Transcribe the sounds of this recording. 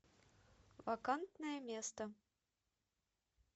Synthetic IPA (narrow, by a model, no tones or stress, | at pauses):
vɐkant̪nəjəmʲest̪ə